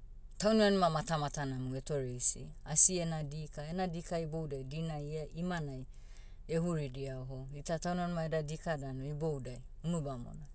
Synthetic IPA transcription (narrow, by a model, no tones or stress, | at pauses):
tawnuanumamatamatanamuetoɾesḭasienadikaenadikaibowdajdinajaʔimanaj | eɦuɾidiaoɦoitatawnanumaedadikadanoibowdajunubamo̰na